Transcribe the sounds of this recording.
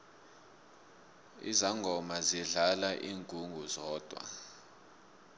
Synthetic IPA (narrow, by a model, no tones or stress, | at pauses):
ḭzaŋɡʱɔmaziɮalaʔiːŋɡʱʼuŋɡʱuzɔːd̥ʱwa̰